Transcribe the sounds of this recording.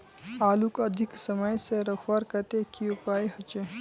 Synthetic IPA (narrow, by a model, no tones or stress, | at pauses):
aːlukɐd̪ʱiksɐmajseɾɐxwaɾkɐt̪ekiopaːihɐt͡ʃe